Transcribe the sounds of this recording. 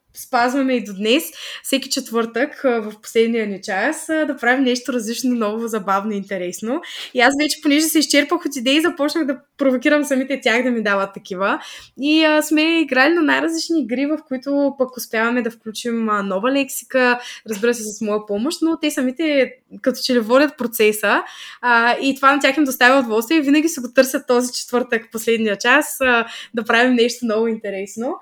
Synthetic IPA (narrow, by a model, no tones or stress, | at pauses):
spazvɐmɛid̪od̪nɛsfsɛkʲi̥t͡ʃɛt̪vɤɾt̪əkːvɐfpo̥slɛd̪nijənit͡ʃasd̪ɐpɾavimnɛʃt̪oɾɐzlit͡ʃnonɔvozɐbavnoint̪ɛɾɛsnoiasvɛt͡ʃɛ̥ponɛʒɛsɛiʃt͡ʃɛɾpəxot̪id̪ɛizɐpɔt͡ʃnəɣd̪ɐ | pɾovokʲiɾɐmsɐmit̪ɛt̪ʲaxd̪ɐmid̪avɐt̪ːɐkʲivəiəsmɛiɡɾalinanajɾɐzlit͡ʃniːɡɾivɐfkoit̪ʊpɐkʊspjavɐmɛd̪ɐfklʲut͡ʃimənɔvəlɛksi̥kəɾɐzbiɾəsɛsɐsmɔjɐpɔmoʃt̪not̪ɛsɐmit̪ɛkɐt̪ɔ̥t͡ʃɛlivɔdʲɐt̪̚pɾot̪sɛsə | it̪ovanɐt̪ʲaximd̪ost̪avʲiod̪vɔlˠst̪viɛivinɐɡʲisɛɡot̪ɤɾsʲjɐt̪ːɔzit͡ʃɛ̥t̪vɤɾt̪əkfposlɛd̪nijət͡ʃasəd̪ɐpɾavimnɛʃt̪onɔvʊint̪ɛɾɛsno